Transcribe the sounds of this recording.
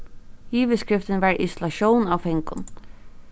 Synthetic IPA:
iːʋəskɹɪft̪ənʋɑːɹʔɪsʊlɑɕoːnnaːwfɛŋkʊ̰n

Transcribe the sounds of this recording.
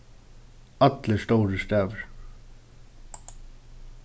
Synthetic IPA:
ɑt̪ləst̪oːɾəst̪æːʋəɾ

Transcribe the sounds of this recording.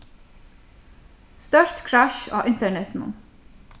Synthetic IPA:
st̪œʃtkʰɹæʃɑ̰ːʔɪnt̪əɳɛt̪mʊ̰n

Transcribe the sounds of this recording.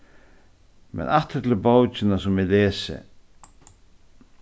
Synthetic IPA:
mɛ̰naht̪ɪɾt̪ʰɪlbaːwt͡ʃɪnasʊmɪlɛːsɪ̰

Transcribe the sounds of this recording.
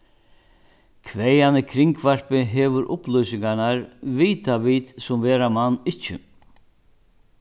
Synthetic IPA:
kʰvɛjanɪkʰɾɪŋkvar̥pɪɦɛːʋʏɾʔʊplɔjsɪŋkanaɾviːt̪aʋiːt̪sʊmvɛːɾamanːɪt͡ʃːɪ̰

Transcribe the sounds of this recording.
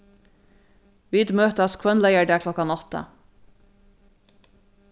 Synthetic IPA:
ʋiːd̪møːt̪əɑːskʰwɛnlæɪəɖæːkʰlɔkɑnɔt̪ə̰

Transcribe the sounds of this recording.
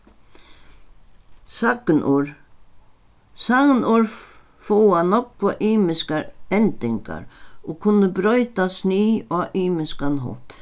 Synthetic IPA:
saknʔuɹ | saɣnuɹ | fowanɔkʋaʔiːmɪskaɾɛnt̪ɪŋka̰ɾokʰʊnːəbɾœʏt̪asniːaʔiːmɪskanɦɔ̰t̪

